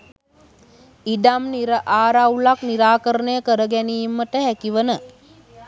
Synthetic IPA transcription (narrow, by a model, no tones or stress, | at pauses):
id̪amniɾəʔaːɾawlakniɾaːkəɾənəjəkəɾəɡɛniːmːəʈəɦækiʋənə